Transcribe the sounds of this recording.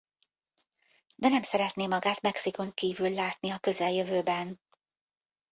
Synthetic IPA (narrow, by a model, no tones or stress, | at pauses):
d̪ɛnɛmsɛɾɛt̪neːmɒɡaːt̪mɛksiko̞ŋkiːvylːaːt̪niɒkø̞zɛljøvøːbɛn